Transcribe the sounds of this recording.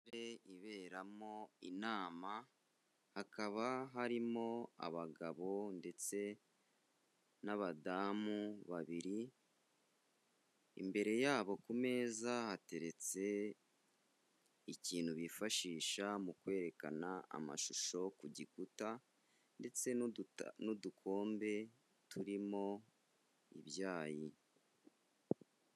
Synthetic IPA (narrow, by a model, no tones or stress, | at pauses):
ɾeiβe̞ːɾamo̞inaːma | hakaβaɦaɾimo̞a̰βaɡaβo̞nde̞t͡se̞ | naβadaːmuβaβiɾi | mbe̞ɾe̞jaːβo̞kume̞ːzahate̞ɾe̞t͡se̞ | iciːnhuβifaʃiːʃamukwe̞ːɾe̞ka̰naa̰ma̰ʃuʃo̞kuɟikuta | nde̞t͡se̞nudukʰo̞ːmbe̞ | tuɾimo̞ | ḭβjaːji